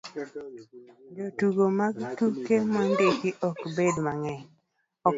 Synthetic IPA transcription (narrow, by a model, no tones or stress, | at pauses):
d͡ʒotuɡomaɡtukemɔndɪkɪʔɔkbedmaŋɛɲ | ɔ